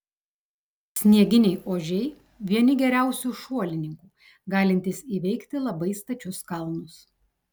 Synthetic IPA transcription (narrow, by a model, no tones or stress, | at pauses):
sʲnʲiɛɡʲɪnʲɛɪʔoːʒʲɛɪ | ʋʲiɛnʲɪɡʲɛɾʲæˑʊsʲuːʃuɔlʲɪnʲɪŋkuː | ɡɑːlʲɪnʲt̪ʲɪsiːʋʲɛɪkt̪ʲɪlˠɐbɐɪst̪ɐt͡ʃʲʊskɐlˠnʊs